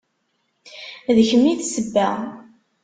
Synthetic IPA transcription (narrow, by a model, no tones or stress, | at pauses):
ðəçəmːiθsəbːæ